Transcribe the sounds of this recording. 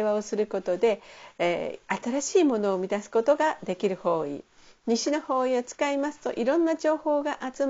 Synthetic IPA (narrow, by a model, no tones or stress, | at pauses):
βao̞sɨɾɯ̟ko̞t̪o̞d̪e̞ | at̪aɾaɕiːmo̞no̞ːmʲid̪asɨ̥ko̞t̪o̞ɡad̪e̞kʲiɾɯ̟ho̞ːḭ | ɲ̟iɕino̞ho̞ːiot͡sɨ̥kaimasɨ̥t̪o̞̰ʔiɾõ̞nːad͡ʑo̞ːho̞ːɡaʔat͡sɨm